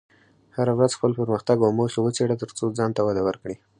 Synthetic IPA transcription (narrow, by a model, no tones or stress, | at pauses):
haɾawɾazxpəlpəɾməxt̪aɡawmoxewət͡seɽat̪əɾt͡sod͡zɑnt̪awad̪awəɾkɽi